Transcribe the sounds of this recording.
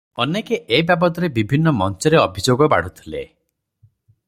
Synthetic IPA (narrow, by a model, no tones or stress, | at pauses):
ɔnekeʔebjabɔd̪ɔɾebibʱinːɔmɔnt͡ʃɔɾeɔbʱid͡ʒoɡɔba̰ɽ̤ut̪ʰilḛ